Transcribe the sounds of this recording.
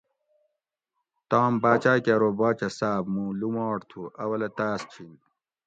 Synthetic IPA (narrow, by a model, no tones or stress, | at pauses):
t̪ɑːmbaːt͡ɕaːjkaɾoːbaːt͡ɕɐsaːbmũlumɑːɽt̪ʰuʔɐwɐlɐt̪aːst͡ɕʰin